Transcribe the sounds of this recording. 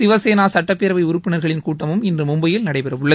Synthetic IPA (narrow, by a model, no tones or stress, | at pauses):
ɪʋɐseːnaːsɐʈːɐpːeːɾɐʋɐɪʊɾʊpːɪnɐɾɣɐɭɪnkuːʈːɐmɯmɪndrɯmʊmbɐjɪlnɐɽɐɪpɛɾɐʋɯɭːɐ